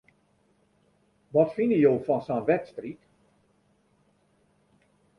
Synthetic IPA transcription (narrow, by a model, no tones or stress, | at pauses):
ʋɔtfɪnəjoːfɔnsanʋɛtstrik